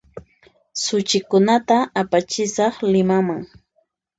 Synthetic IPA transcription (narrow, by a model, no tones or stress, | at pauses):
sʊt͡ʃɪkʊnat̪aːpat͡ʃɪsɑχlɪmamaŋ